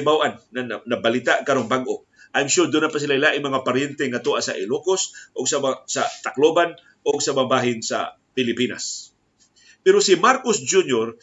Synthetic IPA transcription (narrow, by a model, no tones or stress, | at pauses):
bawʔanŋannabalɪt̪aʔkaɾoŋbaɡʔo | ʔajmʃod̪ʊnapasɪlaʔɪlaʔɪmɐŋapaɾjɛnt̪ɛŋat̪uʔasa̰ʔɪlukosʔoɡsaasat̪akloban | ʔoɡ̚samabaːɦɪnsa̰ | pɪlɪpina̰s | pɛɾosɪmaɾkosd͡ʒunjoɾ